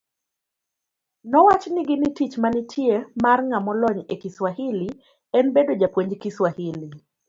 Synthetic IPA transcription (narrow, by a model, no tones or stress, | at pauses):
nɔwat͡ʃniɡɪnitit͡ʃmanitʰjemarŋamɔlɔɲekiswahili | ɛnbedod͡ʒapwoɲd͡ʒkiswahili